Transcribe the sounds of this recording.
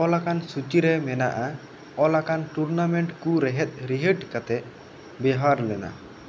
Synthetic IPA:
ɔlakansut͡ʃiɾɛmɛna̰ʔa | ɔlakanʈuɾnamɛɳʈkuɾɛɦɛt̪̚ˀɾiɦəʈkat̪ɛ | bɛɦaɾlɛna̰

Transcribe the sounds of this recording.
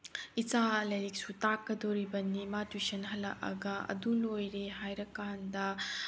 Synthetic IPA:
it͡ʃalɐjɾik̚sutakːɐdoɾibɐnimatisɐnɦɐlːɐ̰ʔɐ̰ɡɐɐ̰dulojɾeɦajɾɐkːandɐ

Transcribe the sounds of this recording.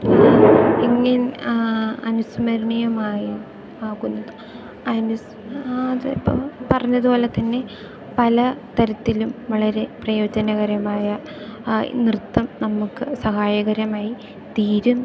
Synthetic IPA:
eŋːɐn | ɐnusmɐɾɐɳijɐmaːju | aːɣunːɐðɨ | ɐnus | ðḭpːo̰pɐrɐɲːɐðubo̞ːlet̪ɐnːe̞ | pɐlɐt̪ɐɾɐt̪ːilumʋɐɭɐɾe̞prɐjo̞ːd͡ʑɐnɐɣɐɾɐmaːjɐ | nrɨt̪ːɐmnɐmukːɨsɐɦaːjɐɣɐɾɐmaːji | t̪iːɾun

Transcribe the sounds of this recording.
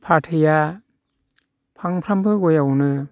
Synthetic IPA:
pʰatʰɯja | pʰaŋpʰɾambɯɡɔjawnɯ

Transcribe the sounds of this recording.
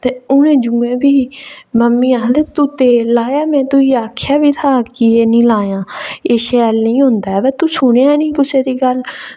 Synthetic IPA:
t̪eːʊnẽːd͡ʒuːẽːbiːməmːiːãːd̪eːt̪ut̪eːlaːjaːmɛ̃ːt̪ʊiːaːkʰːjaːbiːt̪ʰaːkɪeːnĩːlaːjãːeːʃɛlnĩːɦʊ̃nd̪aːɛːbɛːt̪usʊɽeaːɛnĩːpʊt͡ʃʰeːɾiːɡəl

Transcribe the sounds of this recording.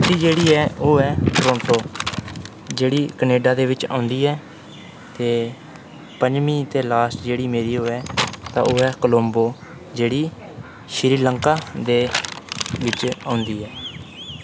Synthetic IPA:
t̪iːd͡ʒeːɽiːɛːoːɛːʈɾõːɳʈoː | d͡ʒeːɽiːkəneːɖaːd̪eːʋɪt͡ʃã̰ːʊnd̪iːɛː | t̪eː | pəɲd͡ʒmĩːt̪eːlaːsʈd͡ʒeːɽiːmeːɾiːɦoːɛːt̪ã̰ːʔoːɛːkəlomboː | d͡ʒeːɽiː | ʃɾiːləŋkaːd̪eː | ʋɪt͡ʃãːʊnd̪iːɦɛː

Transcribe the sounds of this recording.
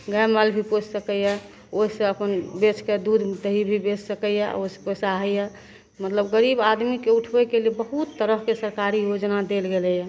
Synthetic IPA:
ɡaməlbʱipot͡ʃʰsəkəjɛ | oɦisə̃əpənbet͡ʃʰked̪ud̪ʱd̪əɦibʱibet͡ʃsəkəjɛa̰osə̥pəsaɦəjɛ | mət̪ləbɡəɾibad̪mikeuʈʰbɛkelebəɦut̪ːəɾəɦkesəɾkaɾijod͡ʒnad̪elɡelɛjɛ

